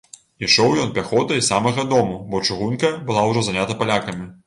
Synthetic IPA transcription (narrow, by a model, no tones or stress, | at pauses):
iʂɔwjɔnpʲaxɔt̪ɐisamɐɣɐd̪ɔmubɔt͡ʂuɣunkɐbɨlˠawʐɔzanʲat̪ɐpalʲakɐmʲi